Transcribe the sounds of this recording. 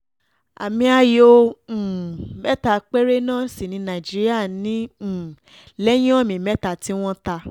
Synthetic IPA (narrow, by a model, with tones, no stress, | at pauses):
a̰˨mĩ˧a˧jõ˧˨ | mɛ˦ta˧˨k͡pe˦ɾe˦nãː˦˨si˨nĩ˧nã˨d͡ʒi˦ɾi˦a˦˨nĩ˨˦˨ | lɛ˦j̃ɔ̃˦˨mĩ˨mɛ˨˦ta˨ti˦w̃ɔ̃˦ta˧